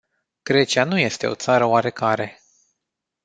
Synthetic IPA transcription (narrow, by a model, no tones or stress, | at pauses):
ɡ̥ɾe̞t͡ʃianuje̞st̪e̞o̞̰t̪saɾəoaɾe̞kaɾe̞